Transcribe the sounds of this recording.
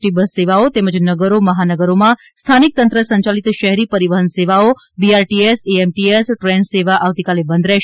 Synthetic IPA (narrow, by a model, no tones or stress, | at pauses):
ʈibəseʋaot̪eməd͡ʒnəɡəɾoməɦanəɡəɾomã | st̪ʰanik̚t̪ə̃nt̪ɾəsəɲt͡ʃalit̪ʃəɦɛɾipəɾiʋəɦənseʋao | biaɾʈieseemʈiesʈɾɛ̃nseʋaʔaʋt̪ikalebə̃nd̪ɾɛ